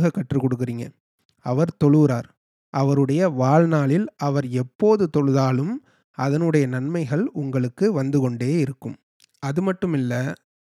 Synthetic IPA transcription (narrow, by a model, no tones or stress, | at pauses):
ɣɐkːɐʈrɯkɔɽɯk̬ːɪriːŋɡɐ̰ | ɐʋɐɾt̪ɔɭɯɾaːɾ | ʔɐʋɐɾɯɽɐjɐʋaːlnaːɭɪlɐʋɐɾɛpːoːðɯt̪ɔɻɯðaːlɯm | ɐðɐnɯɽɐjɐnɐnmɐɪɣɐɭʊŋɡɐɭɯkːɯʋɐnd̪ɯkɔɳɖeːɪɾɯkːɯm | ɐðɯmɐʈːɯmɪlːɐ